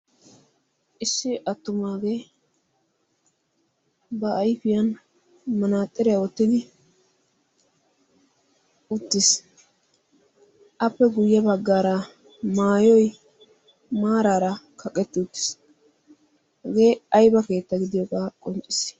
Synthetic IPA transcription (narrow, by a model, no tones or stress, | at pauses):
ʔɪsːɪʔɐt̪ːʊmaːɡe | bɐʔːjfɪjɐn | mɐnaːt̪ʼːɪɾɛjɐwɔt̪ːɪd̪ɪ | ʊt̪ːɪs | ʔɐpːɛɡʊjːɐbɐɡːaːɾɐ | maːjɔj | maːɾaːɾɐkʰɐkʼːɛt̪ːɪʊt̪ːɪ̥s | hɛɡe̞ːɐjbɐke̞ːt̪ːɐɡɪd̪ɪjɔɡaːkʼɔnt͡ʃʼːɪs